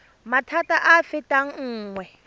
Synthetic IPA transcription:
matʰataʔafɪtʼaŋ̩ŋ̩ːŋwɛ

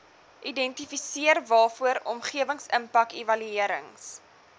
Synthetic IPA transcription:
ʔidɛntifisiərvɑːfuəɾɔmχiəvəŋsəmpɐkivɐlyiəɾə̰ŋs

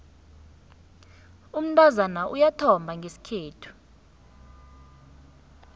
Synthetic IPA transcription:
um̩tʰʼazanaʔujatʰɔmbʱaŋɡʱesi̥kʰeːtʰu̥

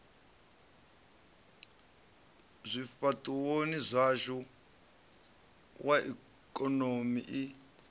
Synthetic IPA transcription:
zʷifatʼuwonizʷaʒɔ | wʔaʔḭ | kʼɔnomiʔi

